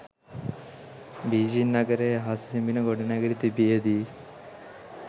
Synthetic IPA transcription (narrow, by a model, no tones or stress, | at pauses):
bid͡ʒinːɐɡɐɾeɦasisimbinɐɡoɽinɐɡɐɾit̪ibiɐd̪i